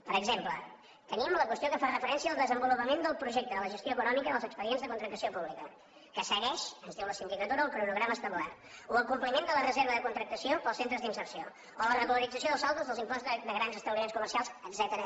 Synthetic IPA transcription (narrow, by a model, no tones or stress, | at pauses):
pəɾəɡzemplə | t̪əniəmləkwəst̪iokəfarəfəɾɛnsiəːlˠd̪əzəmbulupəmend̪əlˠpɾuʒɛk̚t̪əðələʒəst̪joəkunɔmikəðəlˠzəkspəðienzðəkunt̪ɾəkt̪əsiopuβlikə | kəsəɣɛʃənzðiwləsind̪ikət̪uɾəːlˠpɾunuɣɾaməːst̪əβla̰t | uəlˠkumplimend̪ələrəzeɾβ̞əðəkunt̪ɾək̚t̪əsiopəlˠsent̪ɾəzd̪insərsio | olərəɣuləɾid͡zəsioðəlˠzalˠt̪uzðəlˠzimpɔzd̪əɣɾanzəst̪əβlimenskumərsialˠsədzɛt̪əɾə